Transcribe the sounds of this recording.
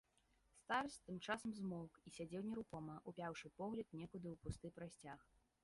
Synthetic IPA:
st̪arsʲt̪ɨmt͡ʂasɐmzmɔlˠkisʲad͡zʲɛwnʲɛɾukɔmɐʔupʲawʂɨpɔɣlʲɐt̪̚nʲɛkud̪ɨwpust̪ɨpɾasʲt͡sʲax

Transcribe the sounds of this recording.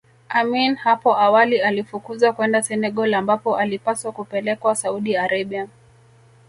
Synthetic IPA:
aminhapɔawalialifukuzakwɛndasɛnɛɠɔlambapɔʔalipaswakupɛlɛkwasauɗiaɾaɓia

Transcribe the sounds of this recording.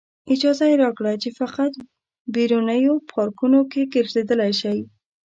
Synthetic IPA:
ɪd͡ʒɑzajeɾɑkɽat͡ʃefaqat̪ | beɾunəjopʰɑɾkunokeɡəɾzed̪əlajʃaj

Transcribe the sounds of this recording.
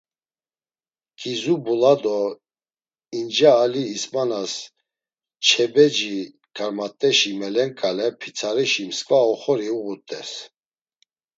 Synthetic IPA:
kʰʼizubulad̪ɔ | ind͡ʒaːliːsmanas | t͡ʃʰɛbɛd͡ʒi | ɡ̥aɾmat̪ʼːɛʃimɛlɛŋkʼalɛpʰit͡sʰaɾiʃimskʼvaɔχɔɾiuɣut̪ʼɛs

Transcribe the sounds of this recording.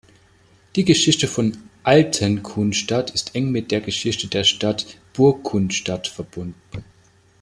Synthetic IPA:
d̥iːɡəʃɪçtəfɔnʔaltʰənkʰunʃtatʰɪstʔɛŋmɪt̚d̥eːɐɡəʃɪçtədeːɐʃtatb̥ʊɐkʰːʊnʃtatfɛɐb̥ʊndn̩

